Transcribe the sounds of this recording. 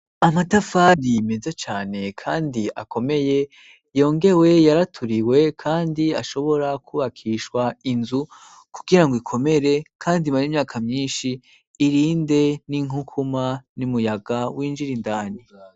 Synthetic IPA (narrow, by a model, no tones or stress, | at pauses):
amatafadime̞zet͡ʃaːne̞kʰaːndiʔa̰kʰo̞me̞je̞ | jo̞ːŋɡe̞we̞jaɾatʰuɾiwe̞kʰaːndia̰ʃo̞βo̞ɾakʰuβakʰiːʃwainzu | ku̥ɡ̥iɾaŋɡoikʰo̞me̞ɾe̞kʰaːndimaɾimɲaːkʰamɲiːnʃiː | ɾiːnde̞niŋukʰumanimujaɡawiːnd͡ʒiɾindaːni